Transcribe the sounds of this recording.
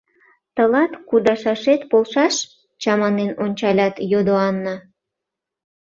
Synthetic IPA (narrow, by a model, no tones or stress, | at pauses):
t̪əlɑt̪kud̪ɑʃɑʃet̪polʃɑʃ | t͡ɕɑmɑnenonʲt͡ɕɑlʲɑt̪jod̪oɑnːə